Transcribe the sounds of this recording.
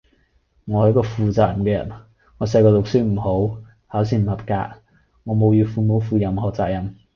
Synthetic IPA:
ŋɔː˨˧hkɔː˧fuː˨t͡saː˨jɐ˨mkɛː˧jɐ̰˨˩n | ŋɔː˨˧sɐ˧jkɔː˧lʊ˨k̚sɪ˥k̚m̩˨˩ɦo˨˥w | haː˨˥wsiː˧˥m̩˨˩hɐ˨˩p̚ka̰ː˧k̚ | ŋɔː˨˧mo˨˧wjyː˧fuː˨˧mo˨˥wfuː˨˧jɐ˨mhɔː˨˩t͡sa̰ː˨k̚jɐ˨˩m

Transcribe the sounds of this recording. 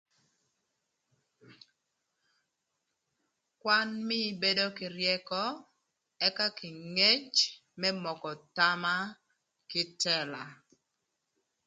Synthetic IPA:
kwa˦nmɪ˦be˦do˦kɪ˨ɾjɛ˦kɔ˦ | ɛ˦ka˦kɪ˨ŋe˦t͡ʃ | mɛ˦mɔ˨kɔ˨ta˦ma˦ | kɪ˦tɛ˦˨la˨

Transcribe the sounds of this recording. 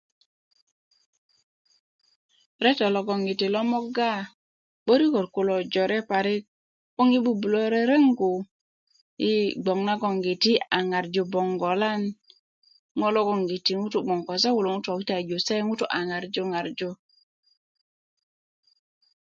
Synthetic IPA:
ɾe˦tɔ˨lo˨ɡo˨ŋɡi˨ti˨lɔ˦mo˦ɡa˦ | ɓo˦ɾi˦ko˨tku˨lo˨d͡ʒo˨ɾe˦pa˨ɾi˦k̚ | o˦ŋi˦ɓu˦bu˨lo˦ɾe˦ɾe˦ŋɡu˨ | ji˦ɡ͡bo˨ŋna˦ɡo˨ŋɡi˨ti˦a˨ŋa˨ɾd͡ʒo˨bɔ˨ŋɡo˨la˦n | ŋo˦lo˦ɡo˦ŋɡi˨ti˨ŋu˦tu˨ɡ͡bo˨ŋko˨s̬a˦wu˨lo˨ŋu˦to˨ki˦ta˨d͡ʒo˨se˦ŋu˦tu˦ʔa˨ŋa˨ɾd͡ʒo˦ŋa˨ɾd͡ʒo˦

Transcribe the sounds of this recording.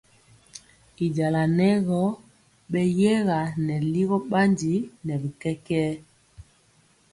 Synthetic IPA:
i˨d͡ʒa˨la˨nɛ˦ɣɔ˦ | ɓɛ˦jɛ˦ɣa˨nɛ˨li˦ɣɔ˦ɓa˦ndi˨˦nɛ˨li˨kɛ˦kɛː˦

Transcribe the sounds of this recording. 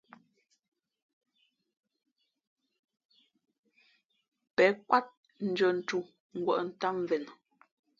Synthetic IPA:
pɛ˨˦kwa˦t̚ | n̩˨d͡ʒɔ˨n̩˨t͡ʃu˦˨ | ŋ̩˨ɡwɔ̰˦˨ʔn̩˨ta˦m˨vɛ˨n

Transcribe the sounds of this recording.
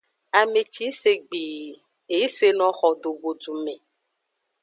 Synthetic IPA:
a˨mẽ˨t͡ʃi˦se˨ɡ͡bi˨ | e˨˦se˦nɔ̃˨˦xɔ˨do˨vo˨du˨mẽ˨

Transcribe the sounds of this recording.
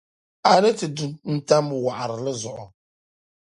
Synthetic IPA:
a˨nɨ˦tɨ˨du˦nn̩˦ta˦m˦bʊ˨wa˨ʔa˨ɾɨ˨lɨ˦zʊ˨ʔʊ˨

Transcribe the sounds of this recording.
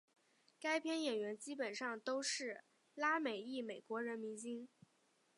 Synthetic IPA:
ka˥ɪpʰjɛ˥njɛ˨˩nɥɛ˧˥nt͡ɕi˥pə˨˩nʂɑ˥˩ŋt̪o˥ʊʂɻ̩˥˩ | la˥me˨˩ɪi˥˩me˨˩ɪkwɔ˧˥ɻə˧˥nmi˧˥ŋt͡ɕi˥ŋ

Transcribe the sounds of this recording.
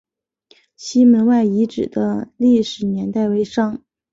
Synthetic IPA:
ɕʰi˥mə˧˥nwa˥˩ɪi˧˥ʈ͡ʂɻ̩˨˩d̪ə˦li˥˩ʂɻ̩˨˩njɛ˧˥nt̪a˥˩ɪwe˧˥ɪʂɑ˥ŋ

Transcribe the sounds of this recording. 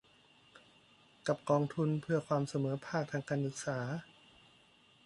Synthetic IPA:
ka˨˩p̚kɔː˧ŋt̪ʰu˧npʰɯ˥˩ɐkʰwaː˧msa˧mɤː˩˦pʰaː˥˩k̚t̪ʰaː˧ŋkaː˧nsɯ˨˩k̚saː˩˦

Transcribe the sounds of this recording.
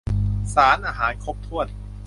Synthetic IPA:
saː˩˦nʔaː˧ɦaː˩˦nkʰo˦˥p̚t̪ʰu˥˩ət̪̚

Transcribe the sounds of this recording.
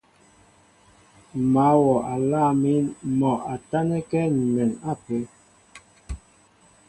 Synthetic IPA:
ma˨˦wɔ˨a˨la˦˨mi˦nmɔ˨ʔa˨ta˦nɛ˦kɛ˦n̩˨me˨na˦˨pe˨˦

